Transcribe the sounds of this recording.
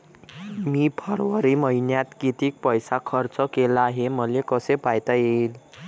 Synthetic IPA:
mipʰəɾʋəɾiməɦinjat̪kit̪iːk̚pəjsakʰəɾt͡səkelaɦeməlekəsepajt̪ajel

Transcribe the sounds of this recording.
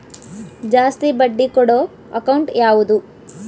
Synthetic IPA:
d͡ʒaːst̪ibɐɖːikɔɽoː | ɐkɐwɳʈjaːʋud̪u

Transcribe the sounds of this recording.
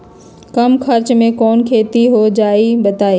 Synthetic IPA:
kɐmxʰɐɾt͡ɕmẽkɔːnkʰeːt̪iɦod͡ʑaːibɐt̪aːeː

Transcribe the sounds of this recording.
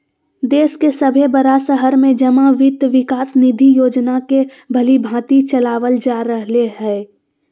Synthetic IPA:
d̪eːskesəbʱebəɾasəɦəɾmẽd͡ʒɐmaʋɪt̪ʋɪkaːsnid̪ʱijoːd͡ʒnake | bʱɐlibʱãːt̪it͡ʃɐlaːʋəld͡ʒaːɾəɦleɦɛː

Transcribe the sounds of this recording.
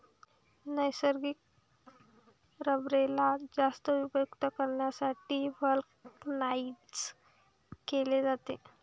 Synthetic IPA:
nəjsəɾɡik̚ | ɾəbɾelad͡zast̪əʋibukt̪əkəɾɳjasaʈiːʋəlknaiʈs | keled͡zat̪e

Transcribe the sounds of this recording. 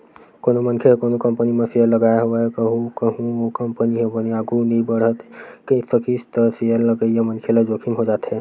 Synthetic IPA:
koːnomənkʰekoːnokəmpənimẽsejəlːəɡaeɦoakəɦũkəɦũokəmpəniɦẽbəniaːɡunəĩbəɽ̤ət̪kisəkist̪əɾsejəɾləɡəijamənkʰelad͡ʒokʰimɦod͡ʒaːt̪ɦɛ̃ː

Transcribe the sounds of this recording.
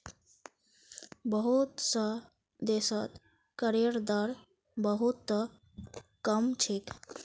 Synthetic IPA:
bəɦut̪sə | d̪esət̪ | kəɾeɾd̪əɾ | bəɦut̪ːə | kəmt͡ʃʰik

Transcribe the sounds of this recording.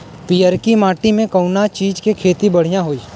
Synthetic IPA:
pijəɾkimaːʈimẽkɐʊnat͡ʃiːd͡ʒkekʰeːt̪ibɐɽ̤ijãɦoːiː

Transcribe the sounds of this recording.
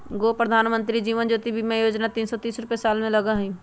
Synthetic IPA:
ɡoːpɾəd̪ʱaːnmə̃nt̪ɾid͡ʒiːʋənd͡ʒoːt̪ibʱimẽjoːd͡ʒnat̪iːnsɔt̪iːsɾʊpesaːlmẽlɐɡaɦĩː

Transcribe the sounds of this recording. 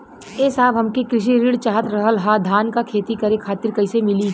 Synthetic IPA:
eːsaːbɦɐmkikɾɪʃ̬iɾiːɽt͡ʃaːɦət̪ɾɐɦəlɦad̪ʱaːnkakʰeːt̪ikɐɾekʰaːt̪ɪɾkɐɪsemɪli

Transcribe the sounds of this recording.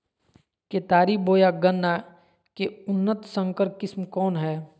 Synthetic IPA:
keːt̪aːɾiboːjaɡənːa | keʊnːət̪sə̃ŋkəɾkɪsmkɔːnɦɛː

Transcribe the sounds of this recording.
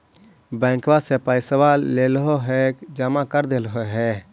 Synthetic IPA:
bɛ̃ŋkʋasepaisəʋalːelɦoɦɛkd͡ʒəmakəɾd̪elɦoɦɛ

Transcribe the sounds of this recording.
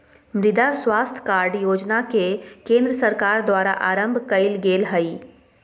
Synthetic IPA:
mɾɪd̪aswaːst̪ʰkaːɾɖjoːd͡ʒnakekẽːnd̪ɾəsɐɾkaːɾd̪waːɾaʔaːɾə̃mbʱkɐɪlɡeːlɦɐiː

